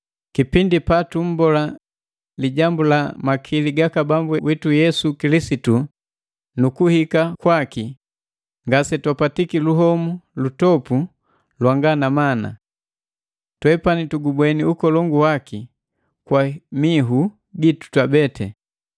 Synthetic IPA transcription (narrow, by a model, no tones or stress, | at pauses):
kipindipatum̩bɔla | liɟambulamakʰiliɡakabambuwitujɛsukilisitu | nukuhikakwaki | ŋɡasɛtwapatikiluɦɔmulutɔpu | lwaŋɡanamana̰ | twɛpanituɡubwɛniukɔlɔŋɡuwaki | kwamiɦu | ɡitu̥twabɛtʰɛ